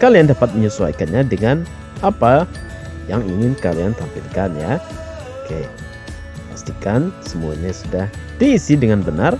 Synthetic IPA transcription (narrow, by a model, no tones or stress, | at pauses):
kaliandapat̪̚məɲusua̰ikanɲadəŋan | apa | jaŋiŋɪnkaliant̪ampḭlkanja | okeja̰ | past̪ikansəmua̰ɲasudahdiːsidəŋanbənar